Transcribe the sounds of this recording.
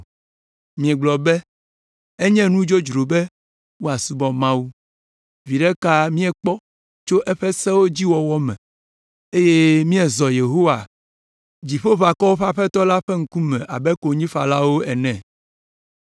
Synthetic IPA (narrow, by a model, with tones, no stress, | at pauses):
mĩ˨ɛ˨ɡ͡blɔ˨bɛ˦ | e˦ɲɛ̃˦nũ˦d͡ʒo˦d͡ʒɾo˨bɛ˦ | wo˦a˨su˦bɔ˨mã˦wu˦ | vi˨ɖɛ˦ka˦mĩ˦ɛ˨k͡pɔ˦ | t͡ʃo˦ʔɛ˦ɸɛ˦sɛ˦wo˦d͡ʑi˦wɔ˨wɔ˦mɛ̰̃˨ | e˦je˦mĩ˦ɛ˨zɔ˨je˨ɦo˦wa˨ | d͡ʑi˨ɸo˦βa˨kɔ˦wo˦ɸa˦ɸɛ˦t̪ɔ˦la˦ɸɛ˦ŋ̩˦ku˦mɛ̃˨ʔa˨bɛ˦ko˨ɲĩ˦fa˨la˦wo˦ɛ˨nɛ̃˨